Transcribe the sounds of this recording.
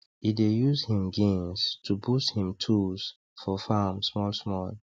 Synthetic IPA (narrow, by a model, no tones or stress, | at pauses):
idejuzhĩmɡĩnstʰubusthĩmtʰuz̥ | fɔfamsmɔlsmɔl